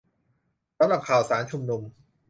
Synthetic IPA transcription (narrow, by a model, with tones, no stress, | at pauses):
sa˧˦mla˨˩ŋkʰaː˨˩wsaː˩˦nt͡ɕʰu˧mnu˧m